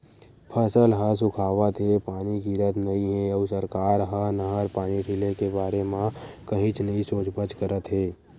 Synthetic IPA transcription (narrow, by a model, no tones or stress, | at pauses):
pʰəsəlɦəs̬ʊkʰaːʋət̪ɦepaːnikiɾəd̪ʱnɐĩɦɛ̃ɔːɾsəɾkaːɾɦanəɦəɾpaːniʈʰɪlekebaːɾemãkɐɦĩt͡ʃnɐɦĩsoːt͡ʃbət͡ʃkəɾət̪ɦeː